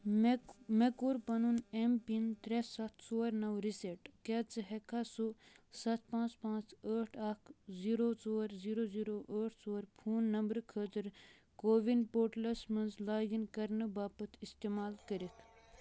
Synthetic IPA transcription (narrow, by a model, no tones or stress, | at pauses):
mekuɾpɐnunempint̪ɾesɐt̪ʰsoːɾnɐwɾiseʈket͡sɨɦekʰasusɐt̪̚ʰpãːt͡spãːt͡səːʈʰɐkʰziːɾot͡soːɾziːɾoːziːɾoʔəːʈʰt͡soːɾpʰuːnːɐmbɾkʰət̪ɨɾ | koːʋinpoːʈlɐsmɐnzlaːɡinkɐɾnɨbaːpɐt̪ʰist̪emaːlkəɾit̪ʰ